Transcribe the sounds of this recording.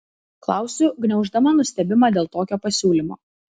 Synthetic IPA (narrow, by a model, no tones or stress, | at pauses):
klˠɑˑʊsʲʊɡnʲɛʊʒd̪ɐmɐnʊsʲt̪ʲɛbʲɪmɑːd̪ʲeːlˠt̪oːkʲoːpɐsʲuːlʲimo̰ː